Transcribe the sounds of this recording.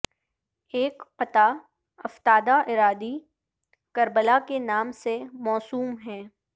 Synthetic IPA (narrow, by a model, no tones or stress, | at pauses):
eːkɐt̪a | ɐft̪aːd̪aʔɪɾaːd̪i | kɐɾbəlakenaːmsemɔːsuːmɦɛ̃ː